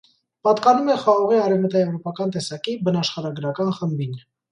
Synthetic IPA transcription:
pɑt̪kɑnumɛχɑʁɑʁiɑɾɛvmət̪ɑjɛvɾɔpɑkɑnt̪ɛsɑkibənɑʃχɑɾɑɡəɾɑkɑnχəmbin

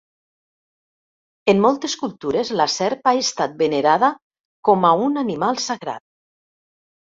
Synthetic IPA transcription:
emːɔlˠt̪eskulˠt̪uɾezlasɛɾpaest̪at̪̚beneɾaða | kɔmaunanimalˠsaɣɾa̰t̪̚

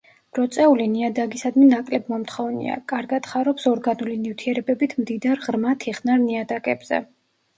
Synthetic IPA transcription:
ɾɔt̪sʼɛuliniad̪aɡisad̪minakʼlɛb̚mɔmt̪ʰχɔvnḭa̰kʼaɾɡad̪χaɾɔpsɔɾɡanulimnift̪ʰiɛɾɛbɛbit̪ʰmd̪id̪aɾʁɾmat̪ʰiχnaɾniad̪akʼɛ̰bz̥ɛ̰

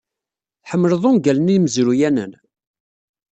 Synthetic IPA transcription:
θħəmːələðˤʊmɡælənijməzɾujænə̰n

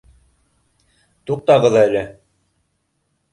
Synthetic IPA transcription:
t̪uq̚t̪ɑʁɤðælɘ

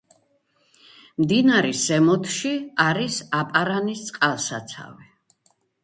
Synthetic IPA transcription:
md̪inaɾisɛmɔt̪ʰʃiaɾisapʼaɾanist̪sʼqʼalˠsat̪sʰa̰vɛ

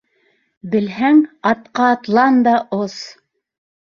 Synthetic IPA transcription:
bɘ̆lɦæŋɑt̪̚qɑːt̪lˠɑnd̪ɑos

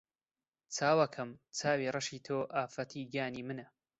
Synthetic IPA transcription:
t͡sʰaːwɐkʰɐmt͡sʰaːwiːrɐʃiːt̪ʰoːʔaːfɐt̪ʰiːɡaːniːmɨnɐ

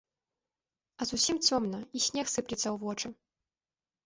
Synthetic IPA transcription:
ɐzusʲimt͡sʲɔmnɐisʲnʲɛxsɨplʲit̪sːɐwvɔt͡ʂɨ

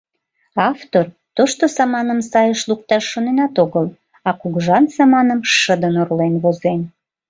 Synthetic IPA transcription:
ɑft̪or | t̪oʃt̪osɑmɑnəmsɑjəʃluk̚t̪ɑʃːonenɑt̪oɣəl | ɑkuɣʒɑnsɑmɑnəmʃəd̪ənorlenβozen

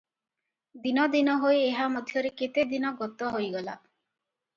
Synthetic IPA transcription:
d̪inɔd̪inɔɦojeɦamɔd̪ʱjɔɾeket̪ed̪inɔɡɔt̪ɔɦojɡɔla̰

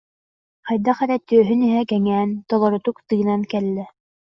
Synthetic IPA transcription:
hɑjd̪ɑχæɾæt̪ːøøɦɵniɦækæŋænt̪olˠŏɾŏt̪ukt̪ɯjɤ̆nɑnkælːɘ

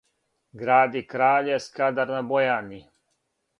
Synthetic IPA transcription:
ɡɾaːd̪ikɾaːʎeskad̪aɾnabojani

